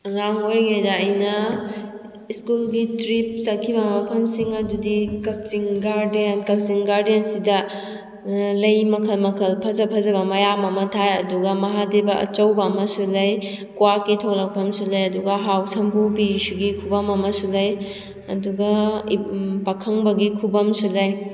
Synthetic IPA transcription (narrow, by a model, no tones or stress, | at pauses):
ɐŋaŋoɾiŋajdɐːjnɐ | iskulɡitɾip̚sɐkʰːibɐmɐpʰɐmsiŋɐdudikɐk̚t͡ʃiŋɡaɾdenkɐk̚siŋɡaɾdensidɐ | lɐjmɐkʰɐlmɐkʰɐlpʰɐzɐpʰɐzɐβɐmɐjamɐmɐtʰajɐduɡɐmɐɦadebɐʔɐ̰t͡ʃɐwbɐːmɐsulɐjkwakːitʰolɐk̚pʰɐmsulɐjɐduɡɐɦawsɐmbupisuɡikʰubɐmɐmɐsulɐj | ɐduɡɐ | pɐkʰɐŋbɐɡikʰubɐmsulɐj